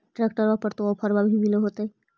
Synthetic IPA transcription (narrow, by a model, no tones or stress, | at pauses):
ʈɾek̚ʈəɾbapəɾt̪oɔpʰəɾbabʱibiloɦot̪əj